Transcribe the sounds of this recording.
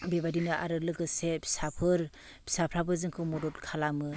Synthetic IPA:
bebadinɯʔa̰ɾɯlɯɡɯsebʰi̥sapʰɯɾ | bʰi̥sapʰɾabɯzɯŋkʰɯmɔdɔtkʰalamɯ

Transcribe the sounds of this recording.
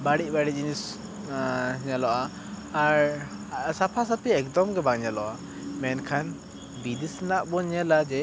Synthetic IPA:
baɽiˀbaɽiʔiɲs | ɲalɔʔaː | ɾsapʰasapʰiɛkd̪ɔmɡɛbaŋɲalɔʔa | mɛnkʰan | bid̪isnaʔbɔɲɛlad͡ʒɛ

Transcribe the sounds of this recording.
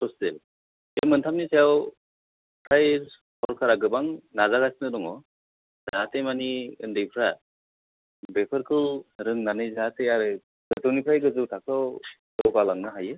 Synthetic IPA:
ɔsdel | emɯntʰamnisejaw | tʰaj | pʰɔɾkʰaɾaɡɯbaŋnazaɡasnɯdɔŋɔ | zatemaniɯ̰ndɯjpʰɾa | bepʰɯɾkʰɯlɾɯŋnanɯjzateaɾɯ | ɡ̥ɯtʰɯwnipʰɾajɡɯzɯwtʰakawdɔwkalaŋnaɦajɯ

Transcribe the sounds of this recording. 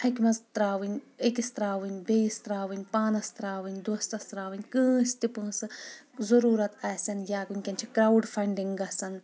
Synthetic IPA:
hɐkʲmɐzt̪ɾaːʋɨnʲəkist̪ɾaːʋɨnʲbejist̪ɾaːʋɨnʲpaːnɐst̪ɾaːʋɨnʲd̪ost̪ɐst̪ɾaːʋɨnʲkɨ̃ːst̪ipɨ̃ːsɨ | zɐɾuːɾɐt̪ɐsʲɐnjʲaːɡunʲkʲɐnt͡ʃʰikɾawɖfɐɳɖiŋɡɐsɐn

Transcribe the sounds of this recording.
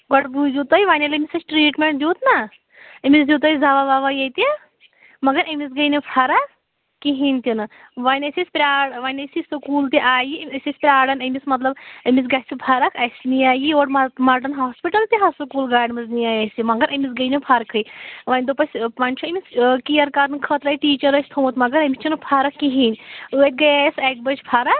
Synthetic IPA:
ɡɔʈbuzʲut̪ɐjʋaːnʲɐlɐmʲisɐt͡ʃʰʈɾiːʈmeɳʈ̚d̪joːt̪na | ɐmʲiszit̪ɐzaʋaʋaʋajɐjt̪ʲi | mɐɡɐɾɐmisɡɐjnipʰɐɾa | kiɦint̪ʲinɨ | ʋanʲɐsʲesʲpʲɾʲaːɽʋanʲɐsisɨkuːlt̪iʔaːjiɐsʲesʲpʲɾʲaːɽɐnɐmismɐt̪lɐbɐmit͡s̬ɡaːsʲibʱʰaɾɐkʰɐsʲnijaːjioːʈmmaʈɐnɦaːspiʈɐlt̪iɦasɐkuːlɡaːɽmɐznijaːjɐsʲimɐɡɐɾʔɐmʲisɡɐjnipʰɐɾkʰɨjʋɐnʲd̪opɐsʲpɐnʲt͡ʃʰuɐmiskijɐɾkaɾnɨkʰɐt̪ɾajiʈiːt͡ʃɐɾɐsʲt̪ʰomut̪mɐɡɐɾɐmist͡ʃʰɐnɨpʰaɾɐkːiɦinʲɨːt̪̚ʲɡɐjajɐsɐk̚bɐt͡ʃʰpʰɐɾa

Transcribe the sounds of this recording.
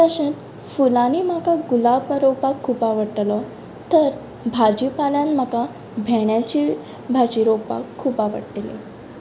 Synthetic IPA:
t̪əɕẽt̪ | fulaniːm̤akaɡulapaɾopakʰːuːpaʋəɽʈlɔ | t̪əɾ | bʱad͡ʑipaljãnm̤aka | bʱeɳjat͡ɕi | bʱad͡ʑiɾopa̰kʰːuːpaʋə̰ɽʈelḭ

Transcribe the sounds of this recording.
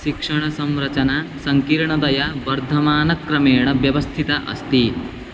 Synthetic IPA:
ʃikʂɐɳ̃ɐsɐ̃mɾɐt͡ɕɐnasɐŋkiːɾɳɐd̪ɐjabɐɾd̪ʱɐmaːnɐkːɾɐmeːɳ̃ɐʋjɐʋɐst̪ʰit̪aʔɐ̰st̪iː

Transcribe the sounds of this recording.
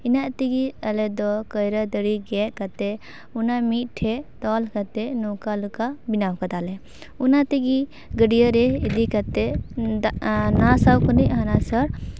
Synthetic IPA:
inaʔt̪iɡiəlɛd̪ɔkəjɾəd̪əɽiɡɛʔkat̪ɛ | unamit̪̚ˀʈʰɛt̪ɔlkat̪ɛnɔkalukabinawkad̪alɛ | unat̪iɡi | ɡəɖijəɾɛid̪ikat̪ɛ | nasawkəniʔɦanasəɾ

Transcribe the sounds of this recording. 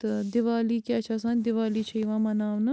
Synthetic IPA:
t̪ɐd̪ɪʋaːlikeɐt͡ʃʰasãːnd̪ɪʋaːlit͡ʃʰɐiʋãːmɐnaːʋnɐ

